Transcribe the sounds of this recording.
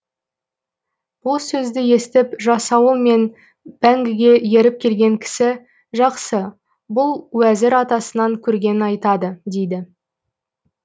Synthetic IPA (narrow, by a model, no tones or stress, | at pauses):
b̥ʊlˠsɵzd̪ɪje̞st̪ɪpʒɑsɑwəlˠme̞n | b̥æŋɡʲɪɡʲe̞je̞ɾɪp̚kʲʰe̞lɡʲe̞ŋkʲʰɪ̥sɪ | ʒɑqsə | bʊlˠwæzɪɾɑt̪ɑsənɑŋkʲʰɵɾɡʲe̞nɪnɑjt̪ɑd̪əd̪e̞jd̪ɪ